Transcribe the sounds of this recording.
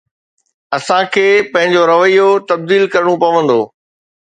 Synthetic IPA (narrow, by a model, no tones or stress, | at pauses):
ɐsãkʰeːpɐ̃ɦɪ̃ɲd͡ʑoɾɐʋəijot̪ɐb̚d̪iːlkɐɾɽ̃ũpɐʋə̃nd̪oː